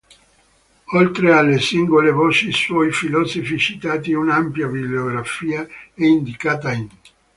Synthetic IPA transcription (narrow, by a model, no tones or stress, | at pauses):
olt̪ɾealːesiŋɡolevɔːt͡ʃiswɔjfilɔːsofit͡ʃit̪aːt̪iunampjabibleoɡɾafiːaɛind̪ikaːt̪̬ain